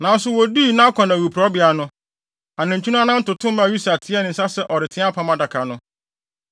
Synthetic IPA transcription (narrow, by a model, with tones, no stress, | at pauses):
nã˨˦n̩˦sʊ˦wɔ˨di˦˨nã˦kʷʰɔ̃˨nã˨wu˨pʰɾa˦bɪ˨a˨nʊ̃˦ | a˨nɪ̃˨ɲ̩˨t͡ɕʰᶣu˦nʊ̃˦a˦nã˦n̩˦tʊ˨tʰʊ̃˦m˦mã˨˦˨ju˦sa˨tʰɪ˦ɛ˦nɪ̃˨n̩˦sa˦sɛ˦ʔɔ˨ɾɪ˨tʰɪ̃˦a˦pʰã˦mã˦da˨kʰa˨nʊ̃˦